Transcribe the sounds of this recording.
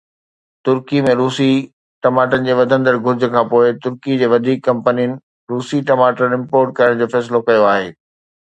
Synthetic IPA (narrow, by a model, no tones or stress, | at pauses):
t̪ʊɾkimẽɾuːsi | ʈɐmaːʈənɪ̆d͡ʑeːʋɐd̪ʱə̃nd̪əɾɡʱʊɾd͡ʑʱə̆kʰãːpoːɪt̪ʊɾkid͡ʑeːʋɐd̪ʱiːkːɐ̃mpənijənɪ̆ | ɾuːsiʈɐmaːʈənɪ̃mpoːɾʈ̚kɐəɽ̃d͡ʑoːfɛːsɪlokɐjoaːɦeː